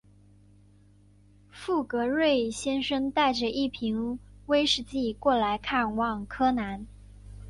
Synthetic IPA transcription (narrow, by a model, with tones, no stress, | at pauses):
fu˥˩kɤ˧˥ɻwe˥˩ɪɕjɛ˥nʂə˥ŋt̪a˥˩ɪʈ͡ʂə˩ʔi˥˩pʰi˧˥ŋwe˥ɪʂɻ̩˥˧t͡ɕi˥˩kwɔ˥˩la˧˥ɪkʰa˥˧nwɑ˥˩ŋkʰɤ˥na˧˥n